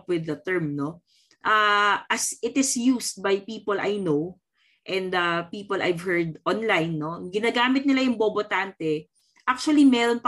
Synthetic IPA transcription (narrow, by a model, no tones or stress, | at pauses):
pwɪðɐt̪ɛɹmno̞ | ʔaːʔɐsɪt̪ɪsjust̪̚bajpiːpolajnow | ʔɛ̃nd̪ɐpiːpolʔa̰jvhɛɹd̪ʔɔnlajnːo̞ɡɪnaːɡaːmɪt̪̚nɪlajʊŋboːbot̪ant̪ɛ | ʔak̚t͡ʃʊɐlimɛːɾonp